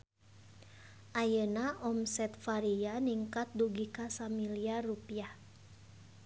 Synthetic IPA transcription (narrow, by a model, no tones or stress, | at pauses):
ʔajənaʔɔmsɛt̪faɾianiŋkat̪̚duɡikasamiliarupia